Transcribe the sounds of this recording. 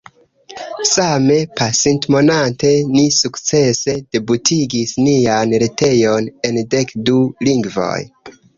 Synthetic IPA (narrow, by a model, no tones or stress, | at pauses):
same̞pasintmo̞nante̞nisukt͡se̞se̞d̥e̞butʰiɡisnianɾete̞jo̞ne̞nde̞kduliŋɡvo̰j